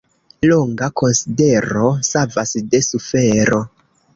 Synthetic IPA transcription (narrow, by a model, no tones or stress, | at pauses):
loŋɡako̞nside̞ɾo̞savasde̞sufe̞ɾo̞